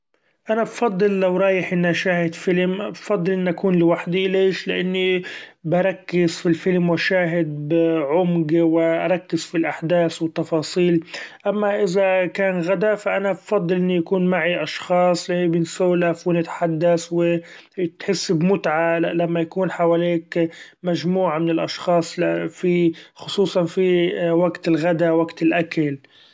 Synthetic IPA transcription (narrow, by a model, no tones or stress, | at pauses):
ʔanabfɑd̪ˤːɨlːawɾˤɑːjɪħʔɪnːʔaʃaːhɪd̪fɪlmbfɑd̪ˤːɨlʔɪnːʔakuːnlɪwaħd̪ileːʃlɪʔanːibɑɾˤɑkːɪzfilfɪlmwaʃaːɦɪd̪̚bɪʕʊmɡwɪʔa̰ɾˤɑkːɪz̥filʔaħd̪aːswɪt̪ːɑfɑːsˤiːlʔamːaʔɪzakaːnɣad̪afaʔanabfɑd̪ˤːɨlʔɪnːujakuːnmaʕiʔɑʃxɑːsˤlɪbɪnsawlafɪnɪt̪ħad̪ːaswɪ | t̪ħɪsːbmʊt̪ʕalamːajakuːnħawaːliːkmaʒmuːʕamɪnɪlʔɑʃxɑːsˤfixʊsˤuːsˤɑnfiwaɡt̪ɪlɣad̪awaɡt̪ɪlʔakal